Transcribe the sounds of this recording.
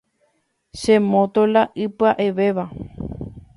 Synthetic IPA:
ʃẽmõt̪olaʔɨpɨaʔeʋe̞ʋa

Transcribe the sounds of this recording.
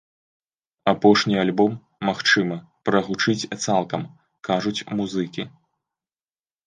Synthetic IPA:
apɔʂnʲialʲbɔmː | axt͡ʂɨmɐ | pɾɐɣut͡ʂɨt͡sʲt̪salˠkɐm | kaʐut͡sʲmuzɨkʲi

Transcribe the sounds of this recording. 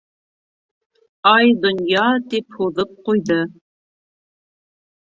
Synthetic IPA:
ɑjd̪ŏnjɑt̪iphuðɤp̚qujðɤ

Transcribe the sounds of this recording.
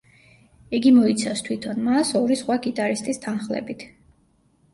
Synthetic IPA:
iɡimɔit̪sʰafst̪ʰwit̪ʰɔnmasɔɾisχwaɡit̪ʼaɾist̪ʼist̪ʰanχlɛ̰bit̪ʰ

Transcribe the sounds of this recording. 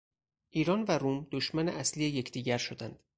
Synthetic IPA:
ʔiːɾɒːnvæɾuːmd̪̥oʃmæneʔæslijeje̞cʰd̪̥iːɟæɾʃo̞d̪ænd̪̥

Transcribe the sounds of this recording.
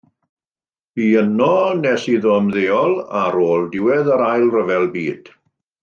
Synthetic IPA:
b̥iənɔnɛsiðɔəmðeːɔlˠaɾoːlˠdɪwɛðaɾajlˠrəvɛlˠbiːd̥

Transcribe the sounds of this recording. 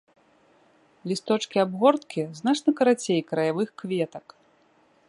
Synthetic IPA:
lʲist̪ɔt͡ʂkʲiabɣɔrt̪kʲiznat͡ʂnɐkɐɾat͡sʲejkɾɐjavɨxkvʲɛt̪ɐk

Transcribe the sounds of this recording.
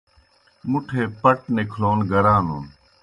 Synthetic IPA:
mʊʈʰeːpəʈnekʰloːnɡʱəɾãːnuːn

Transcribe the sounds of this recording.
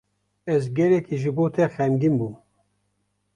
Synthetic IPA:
ɛzɡɛlɛkiʒɨboːt̪ʰɛxɛmɡimbuːm

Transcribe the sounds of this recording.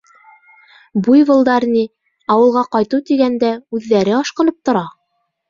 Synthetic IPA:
bujβɤ̆lˠd̪ɑɾni | ɒwɤ̆lˠʁɑqɑjt̪ut̪iɡænd̪æʉðːæɾɘɑʃqɤ̆nɤp̚t̪ŏɾɑ

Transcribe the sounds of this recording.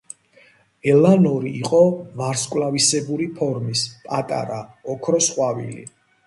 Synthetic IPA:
ɛlanɔɾiːqʼɔvaɾskʼwlavisɛbuɾipʰɔɾmispʼat̪ʼa̰ɾaɔkʰɾɔsqʼwavḭlḭ

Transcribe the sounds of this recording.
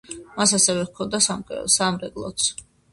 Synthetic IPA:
masasɛvɛkʰɔnd̪asam̰ʼsamɾɛkʼlˠɔ̰t̪sʰ

